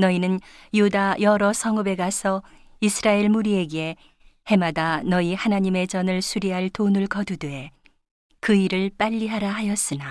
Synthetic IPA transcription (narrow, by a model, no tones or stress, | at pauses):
nʌinɯn | judajʌɾʌsʰʌŋɯbe̞ɡasʰʌ | isʰɯɾaeɭmuɾie̞ɡe̞ | he̞madanʌihanaɲime̞t͡ɕʌnɯɭsʰuɾiɦaɭtonɯɭkʌdudue | kɯiɾɯɭp͈aʎːiɦaɾaɦajʌs͈ɯna